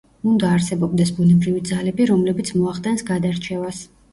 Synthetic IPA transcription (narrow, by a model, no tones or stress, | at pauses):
und̪aːɾsɛbɔb̚d̪ɛsbunɛbɾivid̪zalɛbiɾɔmlɛbit̪sʰmɔaχd̪ʼɛnsɡad̪aɾt͡ʃʰɛvas